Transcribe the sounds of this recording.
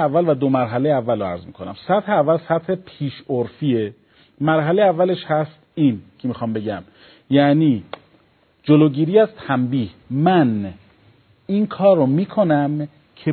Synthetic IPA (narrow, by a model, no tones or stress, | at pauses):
ævːælvæd̪omæɾɦæle̞jeævːælɾoæ̰ɾzmiːkʰo̞næ̰msæt̪heævːælsæt̪he̞pʰiːʃoɾfiːe | mæɾɦælejeævːæle̞ʃhæst̪iːncʰe̞miːxɒːmbe̞ɟæm | jæʔniː | d͡ʒoloːɟiːɾiːæzt̪ʰæmbiːhmæn | inkʰɒːɾomiːkʰo̞næm | cʰe